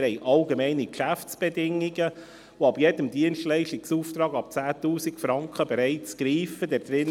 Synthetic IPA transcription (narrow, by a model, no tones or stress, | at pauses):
ɛɪʔɑlɡemɛɪnikʃæft͡sb̥edɪŋːiɡə | oɑbjedəmdiənʃtlɛɪʃtiksuːft̪ɾɑːɡɑp̚t͡sæːtuːsikfɾɑŋkχəbeɾɛɪt͡sɡ̥ɾiːfəd̥ɛɾd̥̪ɾɪn